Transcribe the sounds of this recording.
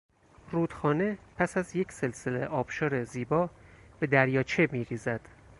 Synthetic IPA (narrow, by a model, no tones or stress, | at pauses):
ruːd̪̥xɒːne̞pʰæsæzje̞cʰse̞lse̞lḛʔɒːb̥ʃɒːɾeziːbɒːbe̞d̪æɾjɒːt͡ʃʰe̞miːɾiːzæd̪̥